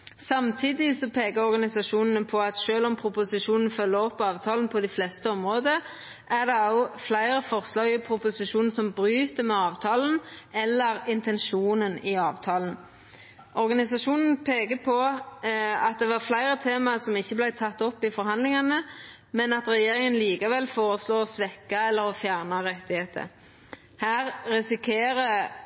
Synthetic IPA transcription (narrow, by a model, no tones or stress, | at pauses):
sɑmt̪ʰiːd̪ɪsɔpʰeːɡɑɔɾɡɑnɪsɑʂuːnn̩əpʰɔɑt̪ʃøːlɔmpʰɾʊpʊsɪʂuːnn̩fœlːəɔpːɑːʋt̪ʰɑːln̩pʰɔd̪ɪflɛst̪əɔmʁoːd̪ə | æʁd̪ɛɑʊflæɪɾəfɔʁslɑːɡɪpʰɾʊpʊsɪʂuːn̩sɔmbɾyːt̪əmɛɑːʋt̪ʰɑːln̩ɛlːəɾɪnt̪ʰɛnʂuːnənɪɑːʋt̪ʰɑːln̩ | ʔɔɾɡɑnɪsɑʂuːnn̩pʰeːkəpʰɔ | ɑt̪̚d̪ɛʋɑʁflæɪɾət̪ʰeːmɑsɔmɪçːəblæɪt̪ʰɑt̪ːɔpːɪfɔɾɦɑnd̪lɪŋɑnə | mɛnɑt̪ɾɛjeːɾɪŋənliːkɑʋɛlfoːɾəsloːɔsʋɛkːɑɛlːəɾɔfjæʁnɑʁɛt̪ːɪheːt̪ʰə̰ | hæːʁɾɛsɪkʰeːɾə